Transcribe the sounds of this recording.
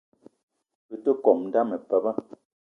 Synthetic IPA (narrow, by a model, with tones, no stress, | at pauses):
pɨ˨tə˦kɔ˨mn̩˦da˦mə˨pə˨˦bə˦